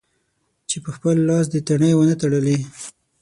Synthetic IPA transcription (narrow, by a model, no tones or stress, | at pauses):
t͡ʃepəxpəlːɑs̬d̪ət̪aɳəjwənət̪aɽəli